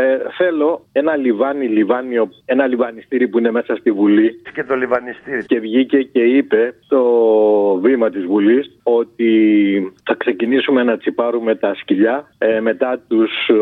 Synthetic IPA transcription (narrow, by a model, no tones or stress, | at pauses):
θe̞lo̞e̞nɐlivɐnilivɐnio̞e̞nɐlivɐnist̪iɾipuine̞me̞sɐst̪ivuliscet̪olivɐnist̪iɾice̞vʝice̞ce̞ipe̞t̪o̞ | vimɐt̪izvuliso̞t̪i | θɐkse̞cinisume̞nɐt͡sipɐɾume̞t̪ɐsciʎɐme̞t̪ɐt̪us